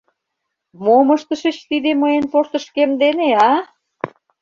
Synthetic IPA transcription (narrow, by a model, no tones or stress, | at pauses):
moməʃt̪ə̆ʃə̆t͡ɕt̪id̪eməjenpoʃt̪ə̆ʃkemd̪eneɑ